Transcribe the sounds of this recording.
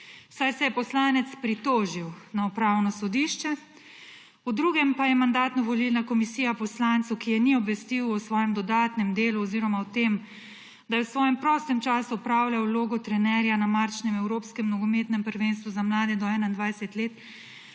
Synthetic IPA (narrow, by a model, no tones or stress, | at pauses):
sajsɛjɛpɔslaːnɛt̪spɾit̪oːʒiwnaupɾawnɔsɔd̪iːʃt͡ʃɛ | ud̪ɾuɡɛmpajɛmand̪aːt̪nɔʋɔlilnakɔmisiːjapɔslant̪sɔwkijɛniɔbʋɛst̪iwɔsʋɔːjɛmd̪ɔd̪aːt̪nɛmd̪eːluɔziːɾɔmawt̪em | d̪ajɛwsʋɔːjɛmpɾɔːst̪ɛmt͡ʃaːsuɔpɾaːwlʲjawloːɡɔt̪ɾɛnɛɾjanamaɾt͡ʃnɛmɛwɾoːpskɛmnɔɡɔmeːt̪nɛmpəɾʋenst̪ʋuzamlaːd̪ɛd̪ɔɛnaind̪ʋajsɛt̪leːt̪